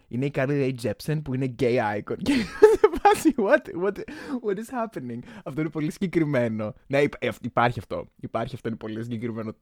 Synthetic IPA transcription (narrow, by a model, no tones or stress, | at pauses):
ineikɐɾlilejd͡ʒepsenpuine̞ɟejɐjkonceðevɐziwot̪wot̪wɐt̪iz̥xɐpeniŋɐft̪o̞inepo̞lisiɲɟekɾime̞no̞neipɐfipɐɾçiɐft̪o̞̰ipɐɾçiɐft̪oinepo̞lis̬iɲɟekɾime̞no